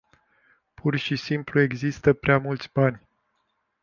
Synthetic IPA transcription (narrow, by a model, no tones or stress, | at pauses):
pʰurʃisimplue̞ɡzist̪əpɾeamult̪sʲbanʲ